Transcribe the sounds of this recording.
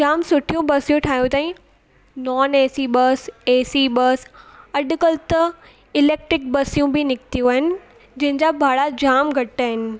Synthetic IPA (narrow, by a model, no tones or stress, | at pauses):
d͡ʑaːmsʊʈʰijũbɐsijũʈʰaːɦjũt̪aːĩ | nɔːneːsiɓɐseːsiɓɐsɐɗʊ̆kəlt̪ɐ | ɪleːk̚ʈɾɪk̚bɐsijũbɪnɪkt̪ijũaːɦɪnɪ̆ | d͡ʑɐ̃ɦɪ̃ɲd͡ʑabʱaːɽad͡ʑaːmɡʱɐʈaːɦɪnɪ̆